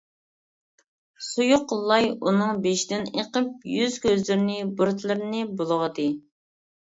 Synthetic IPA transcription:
sujuqʰːəlˠːɑjunɨŋbeʃd̪ɪnḛqəp̚jyz̥kʲøzlɪɾnɪbuɾt̪ʰlˠɨɾnɪbolˠəʁəd̪ɨ

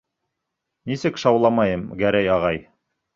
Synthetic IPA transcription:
nisɘkʃɑwlˠɑmɑjɤmɡæɾæjɑʁɑj

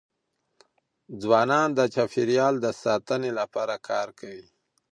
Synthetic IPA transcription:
d͡zwɑnɑnd̪ət͡ʃafiɾjɑld̪əsɑt̪ənelapɑɾakʰɑɾkʰawi

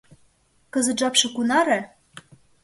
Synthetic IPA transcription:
kəzə̆t̪̚ʒɑpʃɤ̆kunɑɾe

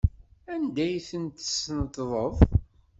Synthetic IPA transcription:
ænd̪æjθənt̪ə̥snət̪ːðˤəðˤ

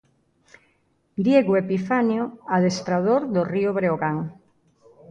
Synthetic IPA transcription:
d̪jeɣoepifanjoaðest̪ɾaðoɾðorioβɾeoɣaŋ

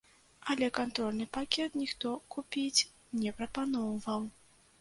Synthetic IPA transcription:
ɐlʲɛkant̪ɾɔlʲnɨpakʲɛt̪nʲixt̪ɔkupʲit͡sʲ | nʲɛpɾɐpanɔwvɐw

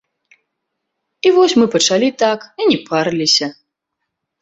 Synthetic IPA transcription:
ivɔsʲmɨpɐt͡ʂalʲit̪akinʲɛparlʲisʲɐ

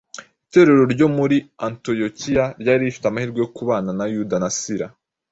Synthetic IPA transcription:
ite̞ɾe̞ɾo̞ɾɟo̞muɾianto̞jo̞cijaɾɟaːɾiifi̥teamahiːɾɡojokuβaːnanajudanasiɾa

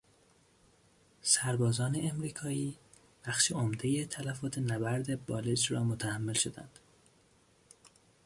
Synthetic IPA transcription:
sæɾbɒːzɒːne̞ʔːmɾiːkʰɒːiː | b̥æxʃeomd̪e̞jet̪ʰælæfɒːt̪ʰenæbæɾd̪ebɒːled͡ʒɾɒːmot̪ʰæhæmːelʃo̞d̪æ̰nd̪̥

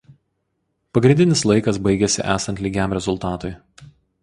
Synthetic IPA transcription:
pɐɡɾʲɪnʲd̪ʲɪnʲɪslˠɐɪkɐs̬bɐɪɡʲɛsʲɪ̰ʔæːsɐnt̪lʲiːɡʲæˑmɾʲɛzʊlˠt̪ɑːt̪oɪ

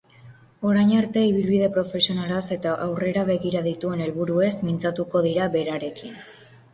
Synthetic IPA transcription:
o̞ɾajɲaɾt̪e̞iβilβiðe̞pɾo̞fe̞sio̞nalase̞t̪aʔawre̞ɾaβe̞ɣiɾaðit̪ue̞ne̞lβuɾue̞zmint͡sat̪uko̞ðiɾaβe̞ɾaɾe̞kin

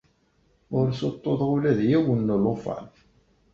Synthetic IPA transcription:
ʊɾsot̪ˤːoðˤʁulæðjæwənːəlofɑ̰lθ

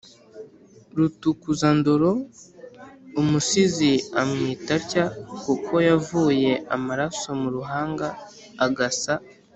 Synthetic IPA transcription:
ɾutukuzandoɾo̞ | umusiziamŋiːtaɾcakukʰo̞javuːje̞ʔamaɾaso̞muɾuɦaːŋɡaː | ɡasa

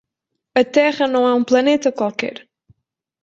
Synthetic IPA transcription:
ɐt̪ɛʁɐnɐ̃w̃ɛũplˠɐnet̪ɐkwalˠkɛ̰ɾ

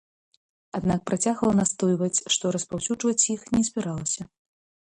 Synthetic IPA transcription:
ad̪nak̚pɾat͡sʲaɣɐlˠɐnast̪ɔjvɐt͡sʲʂt̪ɔɾɐspawsʲuʐvɐt͡sʲjixnʲɛzʲbʲɛɾalˠɐsʲɐ

